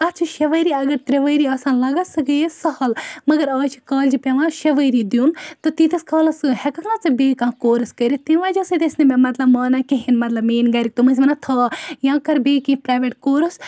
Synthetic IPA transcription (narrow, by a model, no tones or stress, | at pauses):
ɐt͡ʃʰuʃɐʋɐɾiɐɡɐɾt̪ɾeʋəːɾiaːsaːnlɐɡɐsɐɡɐjesɐhɐlmɐɡɐɾɐːt͡ʃʰikɐːld͡ʒipʲeʋãːʃɐʋəjɾid̪junt̪ot̪it̪ɐskɐːlɐshɛkɐknat͡sɨbeːkãːkoːɾɐskɐɾit̪inʋaːd͡ʒoːsed̪esnememɐt̪lɐbmɐːnakiɦinmɐt̪lɐbmeːnɡɐːɾik̚t̪omɐnsʲmɐnat̪ʰɐːjãːkɐɾbeːkĩpɾaːʋeʈkoːɾɐs